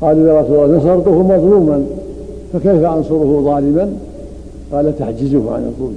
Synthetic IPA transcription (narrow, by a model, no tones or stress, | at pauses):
qɑːlʔɪlaɾˤɑsuːlːɑːnɑs̬ˤɑɾt̪ˤʊhʊmɑðˤluːman | fakajfaʔɑnsʊɾʊhʊðˤɑːlɪman | qɑːlat̪aħd͡ʒɪzʊhʕa̰nɑ̰t̪ˤuːl